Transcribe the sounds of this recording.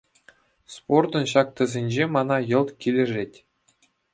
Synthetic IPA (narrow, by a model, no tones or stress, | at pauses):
sport̪ɤ̆nɕɑk̚t̪ɤ̆zʲenʲd͡ʑemɑnɑjɤ̆lˠt̪kʲilʲɘ̆ʐetʲ